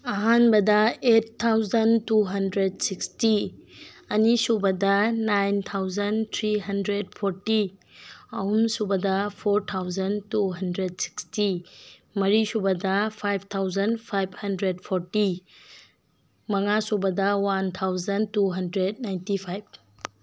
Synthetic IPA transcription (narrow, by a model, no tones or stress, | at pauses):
ɐɦanbɐdɐettʰːawzɐntuɦɐndɾed̚siksti | ɐnisubɐdɐnajnt̪ʰawzɐnt̪ʰɾiɦɐndɾed̚pʰoɾti | ɐhumsubɐdɐpʰoɾtʰawzɐntuɦɐndɾed̚si̥ksti | mɐɾisubɐdɐpʰajb̚ʰt̪ʰawzɐnpʰajb̚ʰhɐndɾed̚pʰoɾti | mɐŋasubɐdɐwant̪ʰawzɐntuɦɐndɾed̚najntipʰajb̚